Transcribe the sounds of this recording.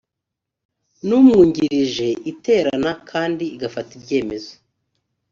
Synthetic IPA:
numŋuːɲɟiɾiʒe̞ʔite̞ːɾanakʰaːndiɡafatibɟe̞ːme̞zo

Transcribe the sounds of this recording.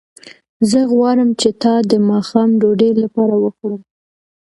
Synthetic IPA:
zəɣwɑɾəmt͡ʃet̪ɑd̪əmɑxɑmɖoɖelapɑɾawəxɽum

